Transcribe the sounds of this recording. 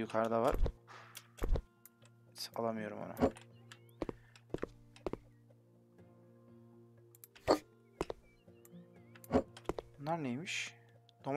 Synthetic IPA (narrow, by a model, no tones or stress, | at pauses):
jukʰaɾd̪avaɾ̥ | alˠamɯjo̞ɾṵmo̰na̰ | unːaɾnejmiʃ | d̪̥om